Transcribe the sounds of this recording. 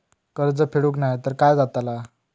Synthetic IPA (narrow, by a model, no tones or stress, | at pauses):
kəɾd͡zəpʰeɽuknajt̪əɾkajd͡zat̪ala